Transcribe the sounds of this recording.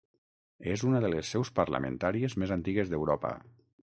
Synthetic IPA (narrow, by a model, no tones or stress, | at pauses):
ezunəðəlesːɛwspəɾlə̰mə̰nt̪aɾiezmezant̪iɣezðewɾɔpə̰